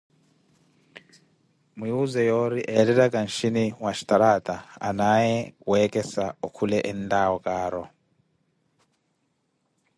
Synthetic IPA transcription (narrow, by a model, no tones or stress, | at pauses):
muuzɛjoɾiʔɛlɛɾakʼanʃiniwaʃi̥taɾatʼaa̰najɛwɛkɛsaukʰulɛʔɛndawɔkaːɾɔ